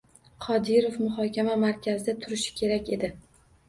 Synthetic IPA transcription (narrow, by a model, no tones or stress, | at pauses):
qʰɒd̪ɪɾofmʊχɒkʲʰamamaɾkʲʰazɪd̪at̪ʰʊɾɪʃɪ̥kʲʰe̞ɾakʲe̞d̪ɪ